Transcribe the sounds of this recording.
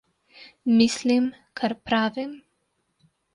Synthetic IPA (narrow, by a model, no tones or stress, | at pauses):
mislim | kʰaɾpɾaːvim